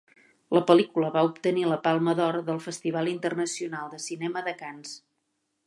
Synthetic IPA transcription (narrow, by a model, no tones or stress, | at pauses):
ləpəlikuləβaupt̪əniləpalˠməðɔɾðəlˠfəst̪iβ̞alˠint̪ərnəsiunalˠd̪əsinɛməðəkans